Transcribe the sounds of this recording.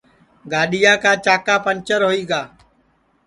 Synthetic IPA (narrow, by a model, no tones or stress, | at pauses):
ɡaːɗɪjãːkãːt͡ʃaːkaːpənt͡ʃəɾɦoːiːɠaː